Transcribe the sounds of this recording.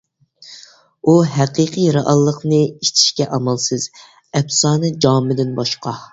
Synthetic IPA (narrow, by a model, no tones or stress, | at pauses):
uɦæqiqɨjɾɑʔɑlˠːəqnɨiʃt͡ʃ̪ʰi̥ʃkʲɛʔɑmɑlˠsɨz̥ | ɛpsɑːnɨd͡ʒɑmɪd̪ɪnbɑʃqʰɑ